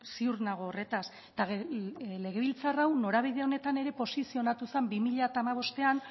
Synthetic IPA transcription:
siuɾnaɣ̞oːre̞t̪as | t̪aɣle̞ɣ̞e̞βilt͡sarawno̞ɾaβ̞ið̞eo̞ne̞t̪ane̞ɾe̞po̞sisio̞nat̪use̞mbimiʎat̪aːmaβ̞o̞st̪e̞an

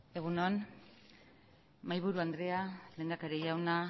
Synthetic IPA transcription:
e̞ɣunoan | majβuɾuand̪ɾe̞ale̞ːnd̪akaɾeʎawna

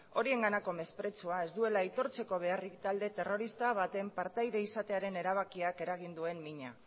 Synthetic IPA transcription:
o̞ɾie̞ŋɡanako̞me̞spɾe̞t͡suae̞zd̪ue̞lajt̪o̞ɾt͡se̞ko̞β̞e̞arikt̪ald̪e̞t̪e̞ro̞ɾist̪aβ̞at̪e̞mpaɾt̪ajðe̞isat̪e̞aɾe̞ne̞ɾaβ̞akiake̞ɾaɣ̞ind̪ue̞mːiɲa̰

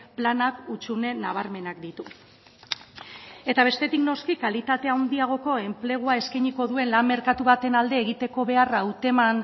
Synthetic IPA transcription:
planakut͡ʃune̞naβ̞aɾme̞nak̚d̪it̪u | e̞t̪aβ̞e̞st̪e̞t̪ikno̞skikalit̪at̪e̞awnd̪iaɣ̞o̞ko̞e̞mple̞ɣ̞uae̞skajɲiko̞ðue̞nlammːe̞ɾkat̪uβat̪e̞nald̪e̞ːɣit̪e̞ko̞βe̞arawt̪e̞man

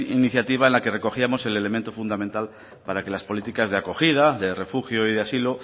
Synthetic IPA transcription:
iniθjat̪iβ̞aenlake̞re̞ko̞xiamo̞se̞le̞lemẽnt̪ofund̪amẽnt̪al | paɾake̞laspo̞lit̪ikazðeakoxið̞aðe̞re̞fuxjoiðeasilo

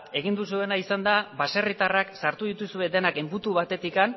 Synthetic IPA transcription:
e̞ɣ̞ind̪us̬ue̞naisand̪aβase̞rit̪araksaɾt̪uð̞it̪usue̞d̪e̞nake̞mbut̪uβat̪e̞t̪ikan

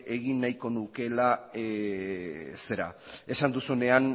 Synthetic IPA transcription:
e̞ɣinːajko̞nuke̞la | se̞ɾa̰e̞sand̪usune̞an

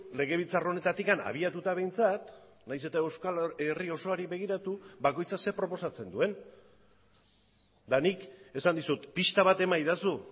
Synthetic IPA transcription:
le̞ɣ̞e̞β̞it͡saro̞ne̞t̪at̪ikana̰β̞iat̪ut̪aβ̞e̞jnt͡sat̪ | najse̞t̪aewskalerio̞so̞aɾiβe̞ɣ̞iɾat̪ubako̞jt͡sase̞pɾo̞po̞sat͡se̞nd̪ue̞n | d̪anike̞sand̪isut̪pist̪aβat̪e̞majðasu

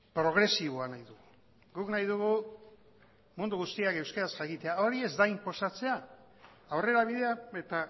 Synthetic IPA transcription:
pɾo̞ɣɾe̞siβ̞oanajðuɣu | ɡuknajð̞uɣu | mund̪uɣust̪iake̞wskaɾasʝakit̪e̞ao̞ɾie̞zd̪aimpo̞sat͡se̞aː | wre̞ɾaβ̞iðe̞ae̞t̪a

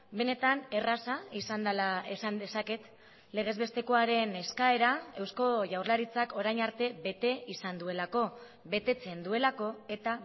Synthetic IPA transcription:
be̞ne̞t̪ane̞rasaisand̪laesand̪e̞sake̞t̪ | le̞ɣ̞e̞zβe̞st̪e̞ko̞aɾe̞ne̞skae̞ɾae̞wsko̞ʝawrlaɾit͡sako̞ɾajɲaɾt̪e̞βe̞t̪e̞isand̪ue̞lako̞ | βe̞t̪e̞t͡se̞nd̪ue̞lako̞e̞t̪a

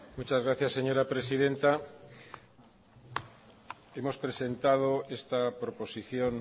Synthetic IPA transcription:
mut͡ʃazɣ̞ɾaθjasːeɲoɾapɾesiðent̪a | emo̞spɾese̞nt̪að̞oest̪apɾopo̞siθjon

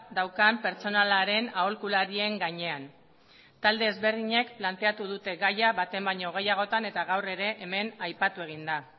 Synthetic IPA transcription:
d̪awkampe̞ɾt͡so̞nalaɾe̞naolkulaɾie̞ŋɡaɲe̞an | t̪ald̪eːzβe̞ɾðiɲe̞kplant̪e̞at̪uð̞ut̪e̞ɣajaβat̪e̞mbajɲo̞ɣ̞e̞jaɣ̞o̞t̪ane̞t̪aɣawre̞ɾe̞ʔːme̞najpat̪ue̞ɣ̞ind̪a

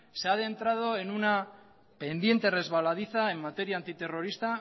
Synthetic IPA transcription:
seaðe̞nt̪ɾað̞o̞enuna | pe̞nd̪je̞nt̪e̞re̞zβalað̞iθae̞mːat̪e̞ɾjaːnt̪it̪e̞ro̞ɾist̪a

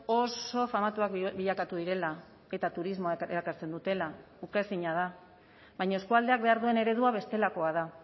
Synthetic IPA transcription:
o̞so̞famat̪uakbiʎakat̪uðiɾe̞la | e̞t̪at̪uɾizmo̞aeɾakaɾt͡se̞nd̪ut̪e̞la | ukesiɲað̞a | βajɲaeskuald̪eak̚be̞aɾðue̞ne̞ɾe̞ð̞uaβ̞e̞st̪e̞lako̞að̞a

